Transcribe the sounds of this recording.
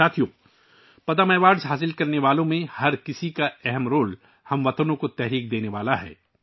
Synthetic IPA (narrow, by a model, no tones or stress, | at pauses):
aːt̪ʰijõː | pɐt̪əmɛːʋaːɖzɦaːs̬ɪlkɐɾneʋaːlõmẽhɐɾkɪsikaɛɦɛmɾoːl | hɐmʋɐt̪ənõkot̪ɛɦɾiːk̚d̪eːneʋaːlaɦɛ̰ː